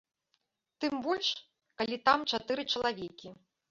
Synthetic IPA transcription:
t̪ɨmbɔlʲʂ | kalʲit̪amt͡ʂat̪ɨɾɨt͡ʂɐlˠavʲɛkʲi

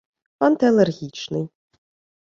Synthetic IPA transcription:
fɐnt̪ɐlˠɛrɣʲit͡ʃnɨj

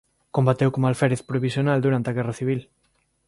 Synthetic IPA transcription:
kombat̪ewkomalfɛɾeθpɾoβisjonald̪uɾant̪eɐɣɛrɐθiβil

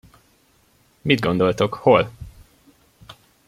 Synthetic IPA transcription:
mid̪̚ɡo̞nd̪o̞lt̪o̞kho̞l

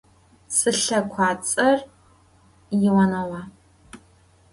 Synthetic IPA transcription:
sɨɬɐkʷʰaːt͡sʼɐr | jɪwɐnɐwaː

